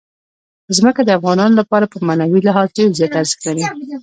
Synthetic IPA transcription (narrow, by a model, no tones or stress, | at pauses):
pəzməkad̪əafɣɑnɑnolapɑɾapəmanawilɪɦɑzdelzjɑt̪aɾzə̥xlaɾi